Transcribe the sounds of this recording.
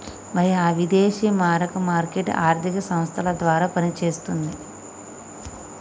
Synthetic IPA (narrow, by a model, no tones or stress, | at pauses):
mɐɾiaːʋid̪eːʃiːmaːɾɐkɐmaːɾkeʈa̰ːɾt̪ʰikɐsɐmst̪ʰɐlɐd̪ʋaːɾaːpɐnit͡ʃeːst̪und̪i